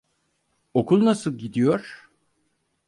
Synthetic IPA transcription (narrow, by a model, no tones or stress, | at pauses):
o̞kʰulˠnasɯlˠɟid̪ijo̞ɾ̥